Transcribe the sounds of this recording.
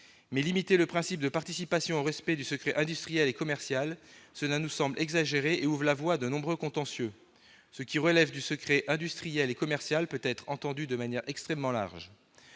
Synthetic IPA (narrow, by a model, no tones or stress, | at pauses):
mɛlimit̪eləpχɛ̃sip̚d̪əpaʁt̪isipasjɔ̃oʁɛspɛd̪ysəkχɛʔɛ̃d̪yst̪χijɛlekɔmɛʁsjalsəlanusɑ̃blʔɛɡzaʒeʁeʔeuvʁlavwad̪ənɔ̃bʁøkɔ̃t̪ɑ̃sjø | səkʲiʁəlɛvd̪ysəkχɛʔɛ̃d̪yst̪χijɛlekɔmɛʁsjalpøt̪ɛt̪χɑ̃t̪ɑ̃d̪yd̪əmanjɛʁʔɛkst̪χɛmːɑ̃la̰ʁʒ